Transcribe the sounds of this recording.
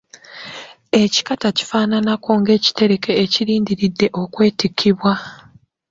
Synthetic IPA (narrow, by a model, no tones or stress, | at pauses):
e̞ci̥kataci̥faːnanako̞ŋɡe̞ːci̥te̞ɾe̞ke̞ːciɾiːndiɾidːe̞ʔo̞kwe̞ːtikʰːiβwa